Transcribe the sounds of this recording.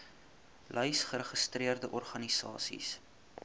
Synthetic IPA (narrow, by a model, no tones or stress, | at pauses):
lʔœjsχəɾəχəstriərdəʔɔrχɐnisɑ̰ːsḭs